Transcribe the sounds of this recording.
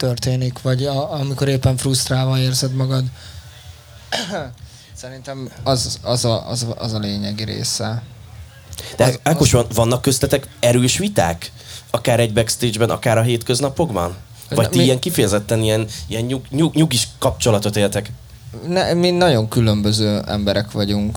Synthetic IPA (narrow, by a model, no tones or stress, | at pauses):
t̪ørt̪eːnikʋɒɟɒɒmiko̞ɾeːpːɛɱfrust̪raːlvɒeːrzɛd̪mɒɡɒd̪ | sɛɾint̪ɛmɒzɒzɒɒ̰zɒ̰zɒleːɲɛɡiɾḛːsɛ | d̪̥ɛakkoʃɒnvɒnːɒkːøslɛt̪ɛkɛɾøːʃʋit̪a̰ːk | ɒkaːɾɛɟ̚bɛkst̪eːd͡ʒbɛnɒ̰kaːɾɒɦeːt̪kø̞znɒpo̞ɡbɒ̰n | vɒct̪iijɛŋkifɛjɛzɛt̪ːɛnijɛnijɛɲɲuɲuɲuɡiʃkɒpt͡ʃo̞lɒt̪o̞t̪eːlt̪ɛk | nɛminɒɟo̞ŋkylø̞mbøzøːɛ̰mbɛɾɛkʋɒɟuŋk